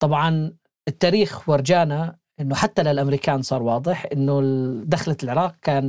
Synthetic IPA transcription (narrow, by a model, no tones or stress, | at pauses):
t̪ˤɑbʕɑn | ʔɪt̪ːaːɾiːxwɪɾˤd͡ʒaːna | ʔɪnːʊħat̪ːalɪlʔamɾiːkaːnsˤɑːɾˤwɑːd̪ˤɨħʔɪnːʊd̪axlalʕɪɾˤɑːq̚kaːn